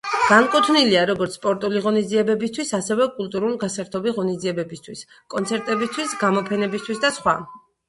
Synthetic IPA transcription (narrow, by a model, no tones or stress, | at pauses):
ɡ̥aŋkʼut̪ʰniliaɾɔɡɔɾt̪sspʼɔɾt̪ʼuliʁɔnizd̪ziɛbɛbist̪ʰwisasɛvɛkʼulˠt̪ʼuɾulɡasaɾt̪ʰɔbiʁɔnizd̪ziɛbɛbist̪ʰwis | kʼɔnt̪sʰɛɾt̪ʼɛbist̪ʰwisɡamɔpʰɛnɛbist̪ʰwisd̪asχwa